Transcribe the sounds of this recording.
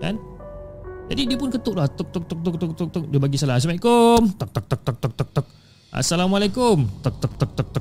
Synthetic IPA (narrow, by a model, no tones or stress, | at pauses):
ka̰n | d͡ʒadidiəpʊnkət̪ʊʔlaht̪uk̚t̪ʊk̚t̪ɔk̚t̪uk̚t̪uk̚t̪ʊk̚t̪ʊk̚diabaɡisalas̬amaiʔkʊmt̪ɔk̚t̪ɔk̚t̪ɔk̚t̪ɔk̚t̪ɔk̚t̪ɔk̚t̪ɔk̚ | ʔa̰salamalakʊmt̪ɔk̚t̪ɔk̚t̪ɔk̚t̪ɔk̚t̪